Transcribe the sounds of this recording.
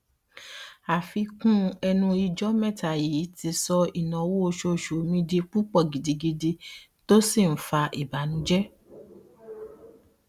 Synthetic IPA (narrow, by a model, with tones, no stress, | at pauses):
a˨fi˧˦kũ˦ɛ˧nũ˧i˧d͡ʒɔ˦mɛ̃˦˨ta˨jiː˨˦ti˧˦sɔ˧i˨nɔ̃˨˦wo˦o˧ʃo˧˨ʃo˨mĩ˧di˧k͡pu˦k͡pɔ˦˨ɡi˨di˨˧ɡi˧de˧ | to˦si˦˨n̩˨˦fa˧ʔi˨ba˨˦nũ˧˦d͡ʒɛ˦